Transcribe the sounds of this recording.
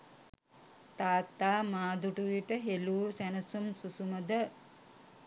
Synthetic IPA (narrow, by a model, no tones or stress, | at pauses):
t̪aːt̪ːaːmaːd̪uʈuʋiʈəɦeluːsænəsumsusuməd̪ə